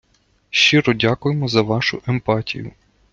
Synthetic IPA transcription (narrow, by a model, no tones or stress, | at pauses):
ʃt͡ʃiɾɔdʲakʊjemɔzɐʋɑʃʊʔempɑtʲḭjʊ̰